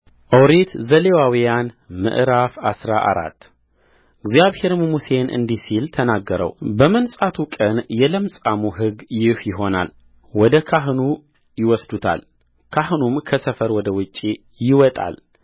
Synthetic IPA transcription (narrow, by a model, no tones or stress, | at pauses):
ʔəwɾit̪zəlewawijan | mɨ̰ʔɾafasɾa̰ʔa̰ɾa̰t̪ː | ʔɨɡzjaβhe̞ɾɨmmuse̞nʔɨ̰nd̪isilt̪ʰənaɡːəɾə̰wbəmənsʼat̪ʰukʼənjɛləmsʼamuɦɨɡjɪhjɪɦo̞na̰l | wɔd̪əkʰaɦnu | jɪwɔsd̪ut̪ʰa̰l | kʰahnumkʰəsəfəɾwɔd̪əwɨt͡ʃʼːi | jɪwɔt̪ʼa̰l